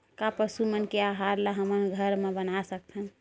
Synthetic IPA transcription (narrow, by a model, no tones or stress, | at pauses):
kapəsumənkeaɦaɾlaɦəmənɡʱəɾmebənasək̚t̪ʰən